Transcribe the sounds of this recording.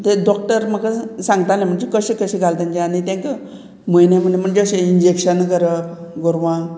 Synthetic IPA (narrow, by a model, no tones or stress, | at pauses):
t̪eɖɔk̚ʈəɾməkasãŋɡt̪alẽm̤əɳd͡ʑekəɕekəɕeɡʱalt̪əɲd͡ʑẽanit̪ɛ̃ŋkə | mojnem̤əɳd͡ʑm̤əɳd͡ʑeəɕeiɲd͡ʑekɕənkəɾəɡoɾʋã